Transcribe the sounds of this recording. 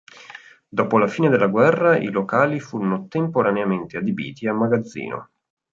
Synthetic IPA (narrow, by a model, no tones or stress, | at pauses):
d̪ɔːpolafiːned̪elːaɡwɛrːaʔḭlokaːlifuːɾonot̪empoɾaneament̪ead̪ibḭːt̪iamːaɡad̪zːḭːno̰